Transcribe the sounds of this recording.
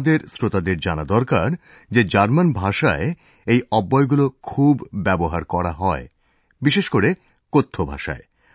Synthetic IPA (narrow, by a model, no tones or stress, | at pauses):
d̪eɾsɾot̪ad̪eɾd͡ʑanad̪ɔɾkaɾ | d͡ʑed͡ʑaɾmanbʱaʃae | ejʔɔbːɔeɡulokʰubːɛboɦaɾkɔɾaɦɔe | biʃeʃkoɾe | kot̪ʰːobʱa̰ʃa̰e